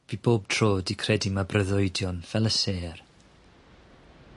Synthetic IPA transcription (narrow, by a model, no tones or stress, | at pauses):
viboːb̚tʰroːdikʰrɛdimabrəðoɨdjɔnv̥ɛlˠəseːr